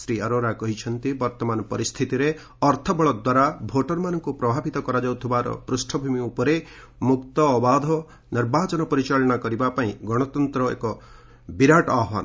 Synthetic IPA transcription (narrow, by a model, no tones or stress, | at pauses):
sɾiaɾoɾakɔɦit͡ʃʰɔnt̪ibɔɾt̪ɔmanɔpɔɾist̪ʰit̪iɾe | ɔɾt̪ʰɔbɔɭɔd̪waɾabʱoʈɔɾmanɔŋkupɾɔbʱabit̪ɔkɔɾad͡ʒawt̪ʰibaɾɔ̰pɾusʈʰɔbʱumiupɔɾe | mukt̪ɔːbad̪ʱɔ | niɾbat͡ʃɔnɔpɔɾit͡ʃaɭɔɽ̃akɔɾibapaĩɡɔɽ̃ɔt̪ɔnt̪ɾɔḛkɔ | biɾaʈɔaɦwa̰n